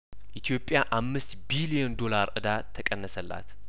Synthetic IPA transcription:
ʔit̪ʰijo̞pʼːjaʔamːɨst̪bilijond̪o̞laɾʔɨd̪at̪ʰːəkʼənːəsəlːa̰t̪

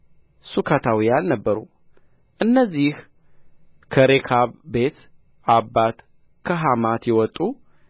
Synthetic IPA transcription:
sukʰat̪ʰawijannəbːəɾṵ | ʔɨnːəzːih | kʰəɾekʰaβbe̞t̪ | ʔabːat̪ | kʰəɦamat̪jɛwɔt̪ʼːu

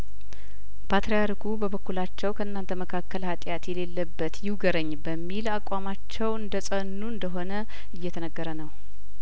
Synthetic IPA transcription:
pʰat̪ɾejaɾikʰubəβəkːulat͡ʃːɛwkʰəʔɨnːant̪ʰəməkʰakːəlhat̪ʼjat̪jɛle̞lːəbːət̪jɪwɡəɾəɲːbəmːilakʼːamat͡ʃːɛwɨnd̪əsʼənːuɨnd̪əɦo̞nə | ɨjːɛt̪ʰənəɡːəɾənəw

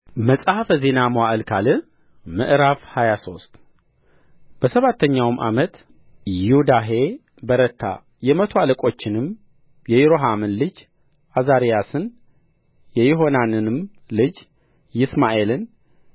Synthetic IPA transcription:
məsʼahafəze̞namwaʔɨlkʰalɨ | mɨ̰ʔɾafhajaso̞st̪ʼ | b̥əsəβat̪ʰːəɲːawmʔa̰mət̪ | jɪhud̪aɦe̞ | bəɾət̪ʰːa̰ | jɛmət̪ʰoaləkʼo̞t͡ʃːɪnɨm | jɛjɛɾoɦamɨnlɨd͡ʒ | ʔazaɾijasɨn | jɛjɛɦo̞nanɨnɨm | lɨd͡ʒ | jɪsmaʔe̞lɨn

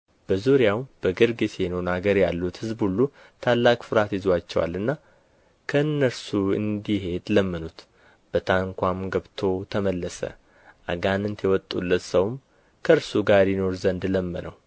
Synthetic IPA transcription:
b̥əzuɾjawb̥əɡɨɾɡɨsjenownaɡəɾjalːut̪hɨzbhulːu | t̪ʰalːakfɨɾat̪jizat͡ʃːɛ̰wa̰lɨnːa | kʰəɨnːəɾsuɨ̰nd̪iɦe̞d̪ləmːənut̪ | b̥ət̪ʰaŋkʷamɡəβt̪ʰo̞t̪ʰəməlːəsə̰ | ʔa̰ɡanɨnt̪jɛwɔt̪ʼːṵlːət̪səwm | kʰəɨɾsuɡaɾjino̞ɾzənd̪ləmːə̰nʔəw

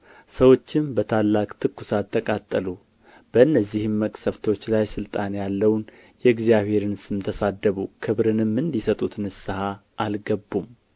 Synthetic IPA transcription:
səwo̞t͡ʃːɪmbət̪ʰalːakʼt̪ʰɨkːusat̪ʰːəkʼat̪ʼːəlu | b̥əɨnːəzːihɨmːəkʼsəft̪ʰo̞t͡ʃːlajsɨlt̪ʼanjalːəwn | jɛɨɡzijaβhe̞ɾɨnsɨmt̪ʰəsad̪ːəβukʰɨβɾɨnɨmːɨnd̪isət̪ʼut̪nɨsɨhaʔalɡəbːum

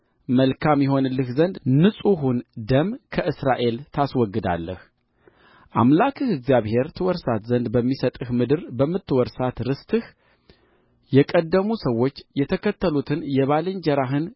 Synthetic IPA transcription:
məlkʰamjɛɦo̞nɨlːɨhzənd̪nɨsʼuɦund̪əmkʰəʔɨsɾaʔe̞lt̪ʰaswɔɡːɨd̪a̰lːə̰h | ʔamlakʰɨhɨɡzjaβhe̞ɾt̪ʰɨwɔɾsat̪zənd̪bəmːisət̪ʼɨhmɨd̪ɨɾbəmːɨt̪ːɨwɔɾsat̪ɾɨst̪ʰɨh | jɛkʼəd̪ːəmusəwːo̞t͡ʃːjɛt̪ʰəkʰət̪ʰːəlut̪ʰɨnjɛβalɨɲd͡ʒɛɾaɦɨn

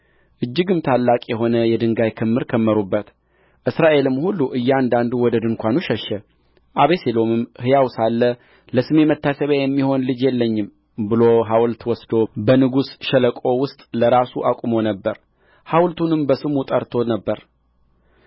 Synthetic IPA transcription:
ʔɨd͡ʒːɨɡɨmt̪ʰalːakʼjɛɦo̞nəjɛd̪ɨŋɡajkʰɨmːɨɾkʰəmːəɾubːət̪ | ʔɨsɾaʔe̞lɨmːhulːuʔɨjːɛand̪and̪uwɔd̪əd̪ɨŋkʷanuʃəʃːɛ | ʔaβeselo̞mɨmhɨjawsalːə | ləsɨme̞mət̪ʰːasəβajɛmːiho̞nlɨd͡ʒjɛlːəɲːɨm | bɨlo̞ɦawlt̪wɔsd̪o̞bənɨɡusʃələkʼo̞wʊst̪ʼləɾasuʔakʷʼumo̞nəbːəɾ | hawlt̪ʰunɨmbəsɨmut̪ʼəɾt̪ʰo̞nəbːəɾ

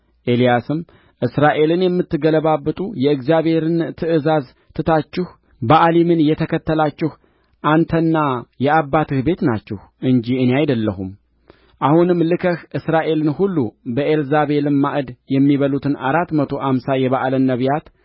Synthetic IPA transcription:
ʔe̞lijasɨm | ʔɨsɾaʔe̞lɨnjɛmːɨt̪ːɨɡələβabːɨt̪ʼujɛɨɡzijaβhe̞ɾɨnt̪ʰɨʔɨzaz | t̪ʰɨt̪ʰat͡ʃːɪh | baʔlimɨnjɛt̪ʰəkʰət̪ːəlat͡ʃːɪh | ʔant̪ʰənːajɛabːat̪ʰɨhbe̞t̪nat͡ʃːɛhʔɨɲd͡ʒiɨneajd̪əlːəhum | ʔahunɨmːlɨkʰəhʔɨsɾaʔe̞lɨnhulːubəʔelzaβe̞lɨmːaʔɨd̪jɛmːiβəlut̪ʰɨnaɾat̪ːmət̪ʰo̞ʔamsajɛβaʔlənːəβjat̪

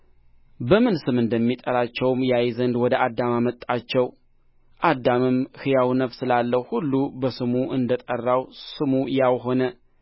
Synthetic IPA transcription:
bəmɨnsɨmɨnd̪əmːit̪ʼəɾat͡ʃːɛwmjajzənd̪wɔd̪əʔad̪ːamamət̪ʼːat͡ʃːɛw | ʔad̪amɨmhɨjawnəfsɨlalːəhhulːubəsɨmuʔɨnd̪ət̪ʼərːawsɨmujawɦo̞nə

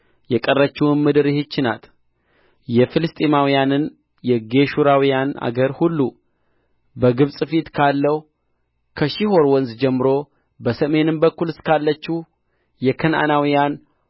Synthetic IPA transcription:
jɛkʼərːət͡ʃːɛwɨnmɨd̪ɨɾɨhɨt͡ʃːɪna̰t̪ | jɛfɨlɨst̪ʼimawijanɨn | jɛɡe̞ʃuɾawijana̰ɡəɾhulːu | bəɡɨβsʼɨfit̪kʰalːəhu | kʰəʃiho̞ɾwɔnzd͡ʒɛmːɨɾo̞ | bəsəme̞nɨmbəkːulɨskʰalːət͡ʃːu | jɛkʰəna̰nawijan

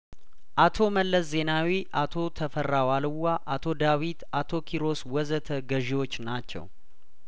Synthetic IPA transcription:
ʔat̪ʰo̞məlːəsze̞nawiʔat̪ʰo̞t̪ʰəfərawalɨwːaʔat̪ʰo̞d̪awit̪at̪ʰo̞kʰiɾo̞swɔzət̪ʰəɡəʒiwo̞t͡ʃːnat͡ʃːɛ̰w

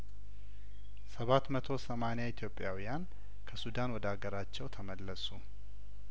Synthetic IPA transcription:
səβat̪mət̪ʰo̞səmanejait̪ʰjo̞pʼːjawijan | kʰəsud̪anwɔd̪aɡəɾat͡ʃːɛwt̪ʰəməlːəsu

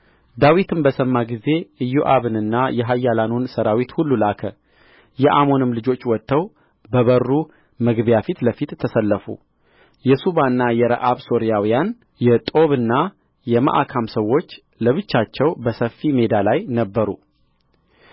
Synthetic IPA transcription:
d̪awit̪ʰɨmbəsəmːaɡize̞ɨjːoʔaβɨnɨnːajɛɦajːalanunsəɾawit̪hulːulakʰə | jɛʔamo̞nɨmlɨd͡ʒo̞t͡ʃːwɔt̪ʰːəw | bəβərːu | mɨɡβjafit̪ləfit̪ʰːəsəlːəfṵ | jɛsuβanːajɛɾə̰ʔaβso̞ɾijawijan | jɛt̪ʼo̞βɨnːa | jɛmə̰ʔakʰamsəwːo̞t͡ʃː | ləβɨt͡ʃːat͡ʃːɛwbəsəfime̞d̪alajnəbːəɾu

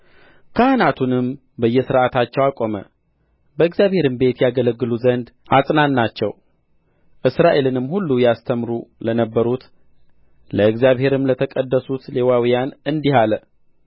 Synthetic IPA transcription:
kʰəʔanat̪ʰunɨm | bəjːɛsɨɾʔat̪ʰat͡ʃːɛwakʼo̞mə̰ | bəɨɡzjaβhe̞ɾɨmbe̞t̪jaɡələɡːɨluzənd̪ʔasʼnanːat͡ʃːɛw | ʔɨsɾaʔe̞lɨnɨmːhulːujast̪ʰəmɾulənəbːəɾut̪ | ləɨɡzjaβhe̞ɾɨmlət̪ʰəkʼəd̪ːəsut̪le̞wawijanɨnd̪ihalə

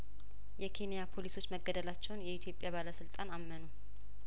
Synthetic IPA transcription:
jɛkʰe̞nijapʰo̞liso̞t͡ʃːməɡːəd̪əlat͡ʃːɛwnjɛit̪ʰjo̞pʼːjaβaləsɨlt̪ʼanamːənu

